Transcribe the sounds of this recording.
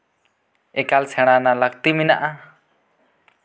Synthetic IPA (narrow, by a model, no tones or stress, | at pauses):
ɛkalsʰɛɽ̃analək̚t̪imina̰ʔa